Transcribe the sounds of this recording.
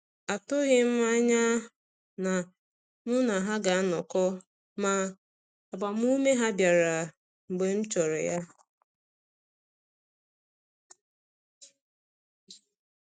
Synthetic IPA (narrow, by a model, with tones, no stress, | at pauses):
a˨tʊ˦ɣɪ˦m̩˦ma˦ɲa˦ | na˨ | mʊ˦na˨ɦa˦ɡa˨a˦nɔ˨kɔ˦ | ma˨ | a˨ba˨m˦u˦me˦ɦa˦bja˨ɾa˨ | ŋ͡m̩˨ɡ͡be˨m̩˦t͡ʃɔ˨ɾɪ̰˨ja˦